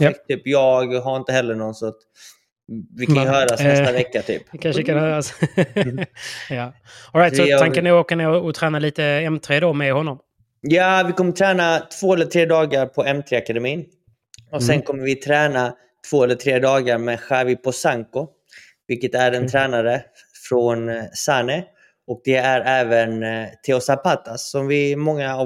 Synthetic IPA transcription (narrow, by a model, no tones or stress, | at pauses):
jat̪ʰyːpjɑːɡɦaɾɪnt̪əhɛlːəɳɔnsɔat̪ | vɪaɦœːɾasnst̪avɛkːat̪ʰy̰ːpkʰanʂʂkanhœːɾas | jaː | ɔlɾajt̪sɔankanʉːoːkaneːɾɔɔt̪ʰɾɛːnaliːt̪əɛmt̪ʰɾeːd̪ɔmɛhɔnːɔm | jaːvɪkʰɔmːət̪ʰɾɛːnat̪ʰvoːɛlːət̪ʰɾeːd̪ɑːɡaɾpʰɔɛmt̪ʰɾeakad̪ɛmiːn | ɔsɛnkʰɔmːəɾvɪt̪ʰɾɛːna | t̪ʰv̥oːɛlːəʈ̪ʰɾeːd̪ɑːɡaɾmɛɧavɪpʰɔsaŋkʊ | vɪlkːət̪æɖɛnt̪ʰɾɛːnaɾə | fɾɔnsanɪ | ɔk̚d̪ɛæɾɛːvənt̪ʰeɔsapat̪ːasːɔmvɪmɔŋːaː